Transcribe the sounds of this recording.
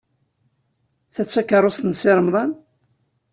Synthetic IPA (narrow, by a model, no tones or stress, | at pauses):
θæt͡sːækːəɾˤost̪ənsɪɾˤəmðˤɑn